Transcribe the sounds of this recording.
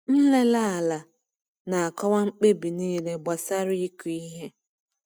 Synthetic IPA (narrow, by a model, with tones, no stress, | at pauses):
n̩˦le˦la˦a˨la˨ | na˨a˨kɔ˦wa˦ŋ͡m̩˦k͡pe˦bi˨niː˦le˦ba˨sa˦ɾi˦i˦ku˨i˦ɦe˦